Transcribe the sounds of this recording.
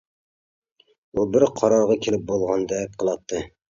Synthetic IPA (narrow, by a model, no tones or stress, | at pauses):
ubɪɾqʰɑɾɑɾʁɑkʲʰelɪp̚bolˠʁɑnd̪ɛp̚qʰəlˠɑt̪ʰːɨ